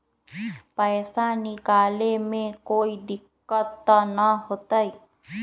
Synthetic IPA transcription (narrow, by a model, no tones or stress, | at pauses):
pəjsanikalemẽkoid̪ikːət̪ːənəɦot̪əj